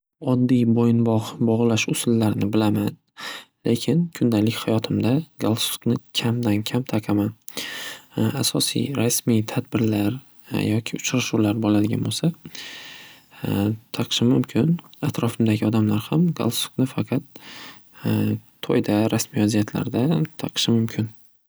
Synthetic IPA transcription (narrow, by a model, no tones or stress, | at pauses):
ɒd̪ːijbojɪnbɒʁbɒʁlˠaʃʊsʊlːaɾɪnɪbɪlaman | lʔe̞kʲʰɪnkʰʊnd̪alɪkʲhajɒt̪ʰɪmd̪aɡalˠsu̥knɪkʲʰamd̪ankʲʰamt̪ʰɑqʰɑman | asɒsḭjɾasmijt̪ʰad̪bɪɾlaɾ | jɒkʲʰɪʊt͡ʃɾaʃuwlaɾbɒlad̪ɪɡʲa̰nbolsa | t̪ʰɑqʃɪmʊmkʲʰɪnat̪ɾɒfɪmd̪aɡʲɪɒd̪amlaɾhamɡa̰lˠsu̥knɪfɑqʰɑt̪ | ojd̪aɾasmijazijat̪ʰla̰ɾd̪at̪ʰɑqʃɪmʊmkʲʰɪn